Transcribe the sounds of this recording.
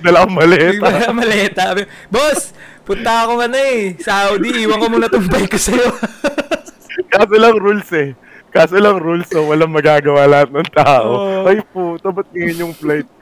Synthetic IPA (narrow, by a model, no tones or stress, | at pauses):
d̪ɐlɐkoŋmɐlɛːɐɐmɐlɛːt̪ɐɐbɛ | bos | pʊnt̪ɐɐko̞ŋɐnoɛsawd̪iʔiːwɐŋkomonɐt̪ʊmbpɐjkosɐjo | kaːsolɐŋɾulsɛ | kaːsolɐŋɾulsowɐlɐŋmɐɡaːɡɐwaːlɐhat̪̚nɐŋt̪aːʔoʔɐjput̪ɐbɐt̪̚ɲɐŋɪɲjoŋplajt̪̚